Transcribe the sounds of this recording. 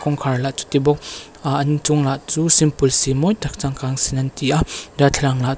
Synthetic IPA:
kɔŋkʰaɹlaʔt͡su̥t̪ibɔk̚ | ʔɐnt͡sʊŋlaʔt͡suːsimpulsimɔjt̪ak̚t͡saŋkaŋsinɐntiʔadat̪ʰlaŋlaʔ

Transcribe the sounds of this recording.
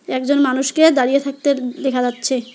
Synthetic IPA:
ɛkd͡ʑonmanuʃked̪aɾijet̪ʰak̚t̪ed̪ekʰad͡ʑatːɕʰe

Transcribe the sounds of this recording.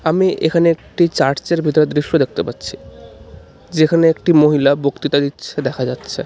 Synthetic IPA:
amiʔekʰaneek̚ʈit͡ɕaɾt͡ɕeɾbʱit̪oɾed̪ɾiʃːod̪ek̚t̪epat̪ːɕʰi | d͡ʑekʰaneekʈimoɦilabokt̪it̪ad̪itːɕʰed̪ɛkʰad͡ʑatːɕʰe

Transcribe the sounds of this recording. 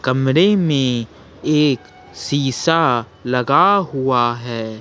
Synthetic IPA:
kɐmɾemẽ | eːk | siːsa | lɐɡaɦʊaɦɛː

